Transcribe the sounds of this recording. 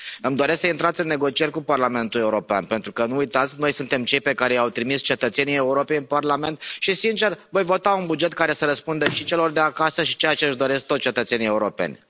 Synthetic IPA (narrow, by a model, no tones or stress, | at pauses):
ɨmd̪o̞ɾe̞sksəint̪ɾat̪sʲɨnːe̞ɡo̞t͡ʃie̞ɾʲkuparlame̞nt̪ule̞uɾo̞pea̰npe̞nt̪ɾukənuujt̪at̪sʲno̞jsunt̪e̞mt͡ʃe̞jpe̞kaɾe̞jawt̪ɾimist͡ʃe̞t̪ət̪se̞nije̞uɾo̞pe̞jɨnparlame̞nt̪ʃisint͡ʃe̞rvo̞jvo̞t̪aunbud͡ʒe̞t̪̚kaɾe̞səɾəspund̪əʃit͡ʃe̞lo̞rd̪eakasəʃit͡ʃejat͡ʃeɨʃd̪o̞ɾe̞sk̚t̪ot̪t͡ʃe̞t̪ət̪se̞nije̞uɾo̞pe̞̰nʲ